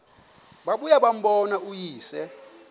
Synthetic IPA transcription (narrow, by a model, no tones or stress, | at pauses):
ɓaɓujaɓam̩ɓɔnaujiːsɛ